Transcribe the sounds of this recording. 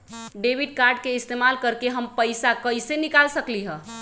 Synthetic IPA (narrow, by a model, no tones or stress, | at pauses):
ɖebiɖkaɾɖ̚keɪst̪emalkəɾkeɦəmpəɪsakəisenikalsəkliɦɛ̃